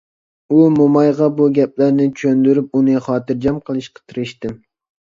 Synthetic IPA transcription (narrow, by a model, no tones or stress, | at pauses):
umomɑjʁɑbuɡʲɛp̚læɾnɪt͡ʃʰønd̪yɾyp̚unɨχɑːt̪ɨɾd͡ʒɑmqʰəlˠɨʃqʰə̥t̪ʰɨɾɨʃt̪ɪm